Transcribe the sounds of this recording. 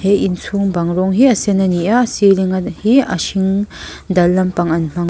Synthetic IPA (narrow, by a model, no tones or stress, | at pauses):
hɛint͡sʰuŋbɐŋɾɔŋɦiɐsɛnːɐniʔɐsiɾiŋahiɐʃiŋdɐlːɐmpɐŋɐnm̥ɐŋ